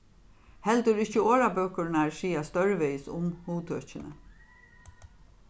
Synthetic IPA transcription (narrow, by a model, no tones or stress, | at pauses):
hɛlt̪ʊɾɪht͡ʃəoːɾabœːkʊɾnaɹsiːast̪œɹvejsʊmhuːt̪ʰœt͡ʃɪnə̰